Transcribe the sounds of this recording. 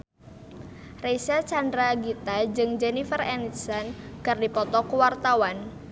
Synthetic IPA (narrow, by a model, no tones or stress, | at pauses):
resat͡ʃandɾaɡit̪ad͡ʒɨŋd͡ʒenifərɛnit̪sankardipɔt̪ɔkuwart̪awan